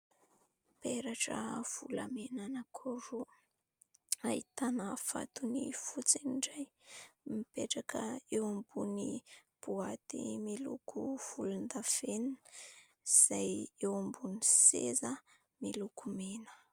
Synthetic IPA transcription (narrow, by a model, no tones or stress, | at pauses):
peɾaʈ͡ʂə̰v̥ṵla̰menanakʰoɾu | ait̪anafa̰t̪unifut͡siniɳɖ͡ʐaj | mipeʈ͡ʂakəewambuni | puat̪ḭmilṵkuv̥ulund̪afen | z̥ajewambunisḛzə | milukumenə̥